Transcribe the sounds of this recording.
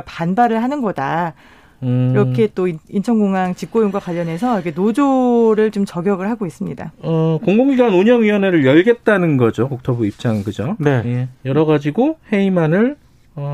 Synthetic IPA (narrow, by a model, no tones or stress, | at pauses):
panbaɾɯɭɦanɯnɡʌda | iɾʌkʰe̞t͈oiint͡ɕʰʌŋɡoŋaŋt͡ɕik̚k͈ojoŋɡwakwaʎːʌnɦe̞sʰʌjʌkʰenod͡ʑoɾɯɭt͡ɕomt͡ɕʌɡjʌɡɯɭɦaɡois͈ɯmɲida̰ʌkoŋɡoŋɡiɡanuɲʌŋiwʌne̞ɾɯɭjʌɭɡe̞t̚t͈anɯnɡʌd͡ʑokok̚tʰʌbuip̚t͡ɕ͈aŋɯnkɯd͡ʑonejejʌɾʌɡad͡ʑiɡohe̞imanɯɭ | ʌ